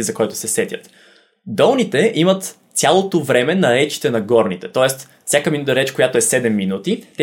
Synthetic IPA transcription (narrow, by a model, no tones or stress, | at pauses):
izɐkɔjt̪ʊ̥sɛsɛt̪jə̰t̪ | d̪ɔlˠnit̪ɛʔimət̪ | sʲalˠot̪ovɾɛmɛnɐɾɛt͡ʃi̥t̪ɛnɐɡɔɾnit̪ɛt̪ɔɛst̪ | fsʲakəminut̪əɾɛt͡ʃkojat̪oɛsɛd̪ɛmːinut̪it̪ɛ